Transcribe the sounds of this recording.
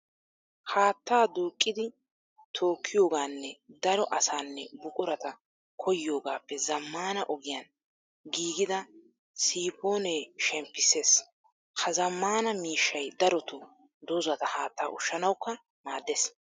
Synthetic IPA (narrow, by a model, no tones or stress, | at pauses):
haːt̪ːaːd̪uːkʼːɪd̪ɪ | t̪ʰo̞ːkʰːɪjo̞ːɡaːnːɛd̪ɐɾɔʔɐsaːnːɛbʊkʼʊɾɐt̪ɐ | kʰɔjjo̞ːɡaːpːɛzɐmːaːnɐʔɔɡɪjan | ɡiːɡɪd̪ɐ | siːpo̞ːneːʃɛmpːɪseːs | hɐzɐmːaːnɐmiːʃːɐjd̪ɐɾɔt̪ʊ | d̪ozɐt̪ɐhaːt̪ːaːʔʊʃːɐnɐwkːɐ | maːd̪ːes